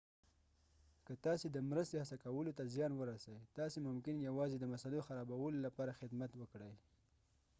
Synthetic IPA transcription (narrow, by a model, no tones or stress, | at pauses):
kət̪ɑsed̪əmɾəst̪ehasakawəlot̪azjɑnwəɾasawit̪ɑsemʊmkɪnjawɑzed̪əmasaloxaɾɑbawəlolapɑɾaxɪd̪mat̪wəkɽəj